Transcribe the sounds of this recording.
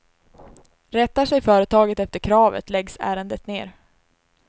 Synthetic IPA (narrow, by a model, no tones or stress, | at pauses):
ɾɛt̪ːaʂɛjfœːɾət̪ʰɑːɡət̪ɛft̪əɾkʰɾɑːvə̰t̪lɛɡsæ̰ːɾənd̪ət̪neːɾ